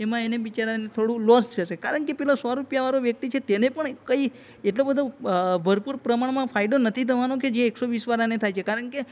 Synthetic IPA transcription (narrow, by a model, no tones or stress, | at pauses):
emãeneʋit͡ʃaɾanet̪ʰoɽũlɔst͡ʃʰəʃekaɾəɳkepɛɦlãsɔɾupjaʋaɾoʋjək̚t̪it͡ʃʰet̪enepəɳkəi | eʈlobəd̪ʱobʱəɾpuɾpɾəmaɳmãfaiɖonət̪ʰit̪ʰəʋanoked͡ʒeːksoʋisʋaɾanet̪ʰajt͡ʃʰekaɾəɳke